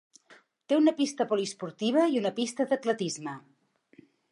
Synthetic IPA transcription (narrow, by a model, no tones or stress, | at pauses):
t̪eunəpist̪əpulispuɾt̪iβ̞əiunəpist̪əðət̪lət̪izmə